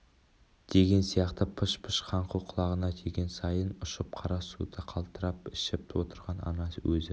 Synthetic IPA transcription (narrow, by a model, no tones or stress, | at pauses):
d̪̥e̞ɡʲe̞nsijɑqt̪əpʰʊʃpʰəʃqʰɑɴquwqʰʊlˠɑʁənɑt̪ʰeɡʲe̞nsɑjənʊʃəp̚qʰɑɾɑsṵd̪əqʰɑlˠt̪əɾɑpɪʃɪp̚t̪ʰwot̪əɾʁɑnɑ̰nɑswɵzɪ